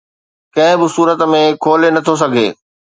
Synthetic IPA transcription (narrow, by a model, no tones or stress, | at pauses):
kɐ̃ɦɪ̃bɪsuːɾət̪mẽkʰoːlenɐt̪ʰos̬ɐɡʱeː